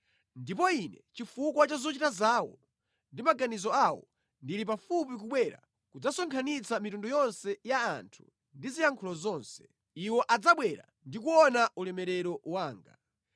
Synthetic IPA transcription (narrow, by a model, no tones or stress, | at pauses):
ndipɔinɛt͡ʃifukwat͡ʃazɔt͡ʃitazaːwɔ | ndimaɡanizɔawɔ̰ | ndiɾip̬afupik̬uɓwɛɾa̰ | kud͡zasɔŋkʰanit͡samitundɔjɔnsɛjaːntʰu̥̰ | ndizijaŋkʰulɔzɔnsɛ̥ | iwɔʔad͡zaɓwɛɾa̰ | ndikuɔnaulɛmɛɾɛɾɔwaːŋɡa